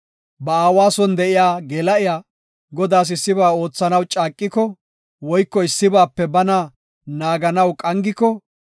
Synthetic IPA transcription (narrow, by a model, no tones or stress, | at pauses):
bɐaːwaːsɔnd̪ɛʔɪjaːɡeːlɐʔɪjaː | ɡɔd̪aːs̬ɪsːɪbaːo̞ːt͡sːɐnɐwt͡ʃʼaːkʼːɪkɔ | wɔjkːɔɪsːɪbaːpːɛbɐnɐ | naːɡɐnɐwkʼɐŋɡɪkɔ